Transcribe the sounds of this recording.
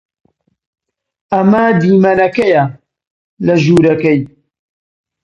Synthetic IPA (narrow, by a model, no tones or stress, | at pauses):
ʔɐmɐd̪iːmɐnɐkɐjɐ | lɐʒuːɾɐkɐj